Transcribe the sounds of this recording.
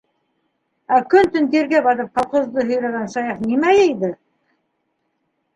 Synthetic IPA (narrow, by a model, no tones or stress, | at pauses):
ækɵnt̪ɵ̆nt̪eɾɡebɑɾɤp̚qʰɑlˠqŏzd̪əɦɵ̆jɾæɡænʃɑjɑqnimæjæjd̪ɘ